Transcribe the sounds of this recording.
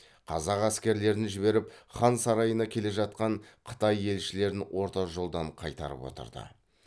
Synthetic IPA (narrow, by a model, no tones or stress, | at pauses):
qʰɑ̰zɑqæskʲe̞ɾle̞ɾɪnʒɪβe̞ɾɪpχɑnsɑɾɑjənɑkʲʰe̞le̞ʒɑt̪̚qɑɴqʰə̥t̪ɑje̞lʃɪle̞ɾɪnwo̞ɾt̪ɑʒo̞lˠd̪ɑɴqʰɑjt̪ɑ̰ɾə̰pwo̰t̪ə̰ɾd̪ə̰